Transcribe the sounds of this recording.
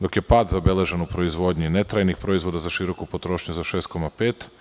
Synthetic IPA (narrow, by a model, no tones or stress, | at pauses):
d̪o̞kje̞paːd̪zabe̞le̞ʒenupɾo̞izʋo̞ːd̪ɲine̞t̪ɾajnixpɾo̞izʋo̞d̪azaʃiɾo̞kupo̞t̪ɾo̞ːʃɲuzaʃe̞ːst̪̚ko̞mapeːt̪